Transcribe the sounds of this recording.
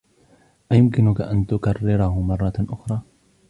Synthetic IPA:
ʔajʊmkɪnʊkaʔant̪ʊkarːɪɾɑhʊmɑrˤːɑʔʊxɾˤɑː

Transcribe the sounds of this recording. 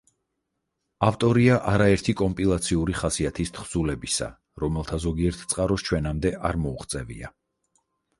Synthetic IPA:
aft̪ʼɔɾiaʔaɾaɛɾt̪ʰikʼɔmpʼilˠat̪sʰiuɾiχasiat̪ʰist̪ʰχz̥ulɛbisa̰ | ɾɔmɛlˠt̪ʰazɔɡiɛɾt̪ʰt̪sʼqʼaɾɔst͡ʃʰwɛnamd̪ɛʔaɾmɔuχt̪sʼɛvḭa

